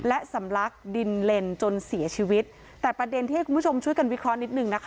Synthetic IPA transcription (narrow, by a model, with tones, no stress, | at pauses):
lɛ˦˥sa˩˦mɾa˦˥k̚di˧nle˧nt͡ɕo˧nsi˨˩˦ɐt͡ɕʰiː˧wi˦˥t̪̚ | tːɛː˨˩pɾa˧de˧nt̪iː˥˩˥ku˧bʰu˥˩o˧mt͡ɕʰu˥˩əjka˧nwi˦˥kʰɾɔ˦˥ni˦˥t̪̚nɯ˨˩ŋna˦˥kʰa˦˥